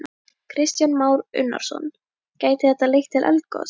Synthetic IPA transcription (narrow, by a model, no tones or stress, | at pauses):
kʰɾɪst̪janmaːwɾʏ̰nːa̰ɾ̥sɔ̰n | caːjt̪ɪθɛt̪alejxt̪ʰːɪlʔɛ̰lt̪̚kɔ̰